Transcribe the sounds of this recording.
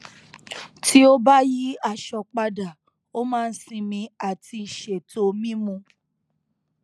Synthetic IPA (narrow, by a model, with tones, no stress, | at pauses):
ti˦o˦ba˦ji˦a˦˨ʃɔ˧k͡pa˧da˨ | o˦mãː˦˧n̩˦sĩ˧mĩ˧a˨ti˧˨ʃe˨tʰo˧mĩ˦mũ˧